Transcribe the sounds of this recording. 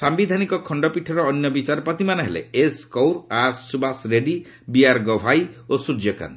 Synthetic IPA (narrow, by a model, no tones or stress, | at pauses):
sambid̪ʱanikɔkʰɔɳɖɔpiʈʰɔɾɔːnjɔbit͡ʃaɾɔpɔt̪imanɔɦelḛeskowɾaɾsubasɾeɖi | biaɾɡɔbʱajosud͡ʒjɔka̰n